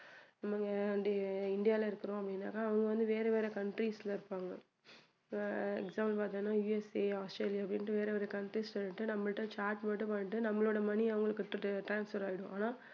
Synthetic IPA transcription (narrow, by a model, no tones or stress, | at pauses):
nɐmːɐŋɡɐɐnd̪eɪɳɖɪjaːlɐɪɾɯkːɯɾõːɐpːɐɽɪnːa̰ːkːaːʋɐŋɡɐʋɐnd̪ɯʋeːɾɐʋeːɾekɐɳʈɾislɐɪɾɯpːaːŋɡɐ | ɛ̰ksaːmlpaːt̪ãnːãːjuːɛseaːsʈɾeːlɪjaːɐpːɽɪnʈːɯʋeːɾɐʋeːɾɛkɐɳʈɾisʈɐɳːɪʈːɯnɐmːɐɭʈːãːt͡ʃaːɾʈmɐnʈːɯpɐɳːɪʈːɯnɐmːɐɭoːɽɐmɐniɐʋɐŋɡɐɭɯkːɯʈːɯʈɾaːnsfɐɾaːɪɽʊ̃ʔaːnaː